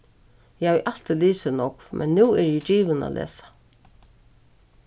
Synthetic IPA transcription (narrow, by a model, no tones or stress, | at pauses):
jhajɪʔalt̪iliːsɪnɔkvmʔɛ̰nːuːɛɹjɛd͡ʒiːʋəna̰lʔḛːsḁ